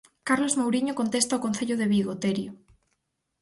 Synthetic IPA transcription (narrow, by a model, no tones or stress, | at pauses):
kaɾlozmowɾiɲokont̪est̪aokon̟θeʎoðeβiɣot̪eɾjo